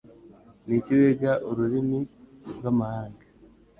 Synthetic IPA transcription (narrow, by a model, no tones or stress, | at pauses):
niciβeɡaʔoɾuɾimiɡwamahaːŋɡa